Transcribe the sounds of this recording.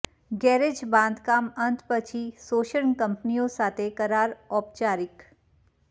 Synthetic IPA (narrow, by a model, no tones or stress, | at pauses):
ɡɛːɾed͡ʒbãːnd̪ʱkaːmɐ̃nt̪ʰpət͡ʃʰisoːʃəɳkɐ̃mpnijõsaːt̪ekɐɾaːɾɔːp̚t͡ʃaːɾɪk